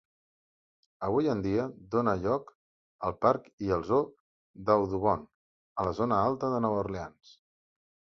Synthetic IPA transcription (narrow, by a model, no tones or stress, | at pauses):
əβ̞ujənd̪iəd̪onəʎɔk | əlˠpaɾkiəlˠzo | d̪əwðuβɔn | ələzonəalˠt̪əðənɔβəɾleans